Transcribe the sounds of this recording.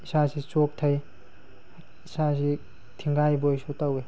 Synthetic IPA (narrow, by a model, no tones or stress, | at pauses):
isasit͡ʃok̚tʰɐj | isasi | tʰiŋɡajbojsutawe